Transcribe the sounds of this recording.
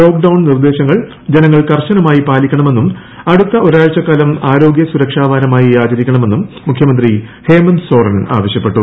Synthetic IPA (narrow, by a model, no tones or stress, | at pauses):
o̞ːk̚ɖɐwɳnird̪e̞ːɕɐŋːɐɭ | d͡ʑenɐŋːɐɭkɐrɕɐnɐmaːjipaːlikʲːɐɳɐme̞nːum | ɐɽut̪ːɐoɾaːɻt͡ɕɐkːaːlɐmaːɾo̞ːɡjɐsuɾɐkʂaːʋaːɾɐmaːjiaːd͡ʑɐɾikʲːɐɳɐme̞nːumːukʰjɐmɐnd̪rihe̞ːmɐnso̞ːrɐna̰ːʋɐɕjɐpːe̞ʈːu